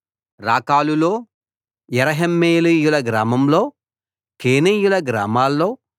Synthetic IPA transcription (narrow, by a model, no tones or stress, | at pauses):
ɾaːkaːlulo̞ː | jɛɾɐɦemːeːjlijulɐɡɾaːmɐmlo̞ː | keːnijulɐɡɾaːmaːlːoː